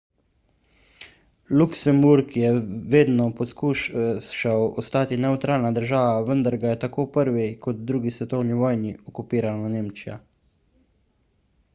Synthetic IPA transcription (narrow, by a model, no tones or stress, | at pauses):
luksɛmbuɾkjɛʋeːd̪nɔpɔskuːʃʃawɔst̪aːt̪inɛwt̪ɾaːlnad̪əɾʒaːʋaʋənd̪aɾɡajɛt̪akoːpəɾʋɛkɔt̪̚d̪ɾuːɡisʋɛt̪ɔwniʋɔːjniɔkupiːɾanɔneːmt͡ʃija̰